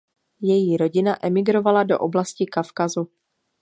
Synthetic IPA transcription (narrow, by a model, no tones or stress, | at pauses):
jɛjiːɾo̞ɟɪnaʔɛmɪɡɾo̞valado̞̰ʔoblascɪkafkazu